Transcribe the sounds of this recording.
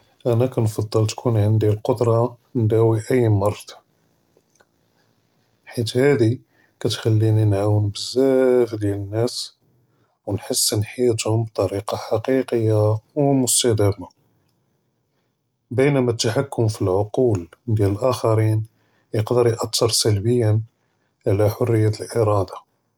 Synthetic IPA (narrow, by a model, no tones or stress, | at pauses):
ʔænækænfɑd̪ˤːəlt̪kʰunʕənd̪ilqod̪ɾˤɑ | nd̪æwiʔəjːmɑrˤd̪ | ħit̪hæd̪i | kæt̪xælːininʕawənbəzːæfd̪jælənːæs | wnħəsːnħit̪hʊmb̚t̪ˤɑɾiqɑħɑqiqəjːawmʊst̪æhd̪æma | bənæmæt̪ːaħakːʊmfilʕoquld̪jæləlʔæxɑɾin | jəqd̪əɾjʔɑt̪ːəɾˤsælbəjːən | ʕlæħorːəjːæt̪əlʔəɾˤɑd̪ɑ